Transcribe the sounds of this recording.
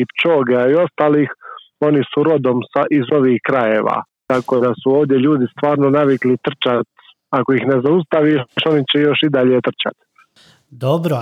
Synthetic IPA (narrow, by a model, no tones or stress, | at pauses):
ipt͡ʃo̞ːɡeaio̞st̪aːliːx | o̞nisuɾo̞d̪omsaʔizo̞ʋiːxkɾaje̞ːʋa̰t̪akod̪asuoːʋd̪je̞ʎuːd̪ist̪ʋaːɾnonaʋiklit̪r̩t͡ʃat̪ | ako̞ixne̞zaust̪aʋiʃo̞nit͡ɕejo̞ʃid̪aʎe̞t̪r̩t͡ʃa̰t̪ | d̪obɾo